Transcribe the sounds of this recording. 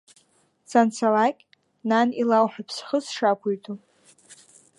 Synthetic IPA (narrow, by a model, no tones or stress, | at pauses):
sʰant͡sʰalakʲʼ | nanilawħʷᶣapʰsχəsʂakʷʰuɥtʰo